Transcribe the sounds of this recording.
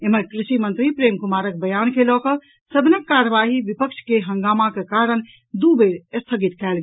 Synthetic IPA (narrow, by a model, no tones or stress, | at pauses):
eməkɾiʃimənt̪ɾipɾemkumaɾək̚bəjankelɔkə | səbʱnəkːaɾəʋaɦiʋipəkt͡ʃʰkeɦəŋɡamakekaɾən | d̪ubeɾəst̪ʰəɡit̪kɛlɡ